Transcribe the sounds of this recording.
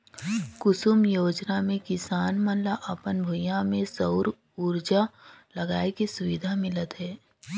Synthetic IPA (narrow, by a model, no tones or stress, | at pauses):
kʊsʊmjoːd͡ʒnamẽkɪsaːnmənlaʔɐpənbʱʊjãmẽsəʊɾ | uɾd͡ʒalɐɡaːekisʊʋɪd̪ʱamɪlət̪ɦɛː